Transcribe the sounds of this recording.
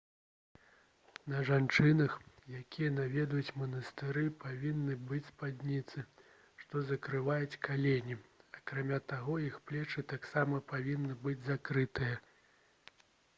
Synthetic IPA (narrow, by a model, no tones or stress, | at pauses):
nɐʐant͡ʂɨnɐxjakʲijɐnavʲɛd̪ujut͡sʲmɐnɐst̪ɨɾɨpavʲinːɨbɨt͡sʲspad̪ʲnʲit̪sɨ | ʂt̪ɔzɐkɾɨvajut͡sʲkalʲenʲiɐkɾamʲat̪aɣɔjixplʲɛt͡ʂɨt̪aksamɐpavʲinːɨbɨd͡zʲzakɾɨt̪ɨjɐ